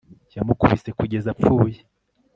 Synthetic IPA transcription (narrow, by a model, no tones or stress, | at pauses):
jamukuβise̞kuɟe̞zap͡fuje